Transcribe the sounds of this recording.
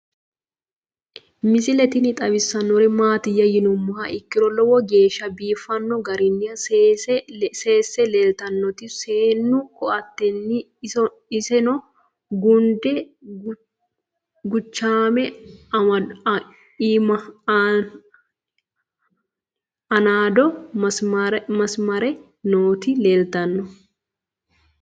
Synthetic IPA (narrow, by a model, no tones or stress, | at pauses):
mɪsɪlɛt̪ɪnɪt̪ʼɐbɪsːɐnːɔɾɛmaːt̪ɪjːɐjɪnʊmːʊhɐʔɪkːɪɾɔlɔwɔɡe̞ːʃɐbiːfɐnːɔɡɐɾɪnːɪɐs | seːsːɛlelt̪ɐnːɔt̪ɪseːnːʊkɔʔɐt̪ːɛnːɪ | ɪsɛnɔ | ɡʊnd̪ɛ | ɡʊt͡ʃːaːmɛ | iːmɐ | ɐnaːd̪ɔɐsɐɾmɐsmɐɾɛ | noːt̪ɪleːlt̪ɐnːɔ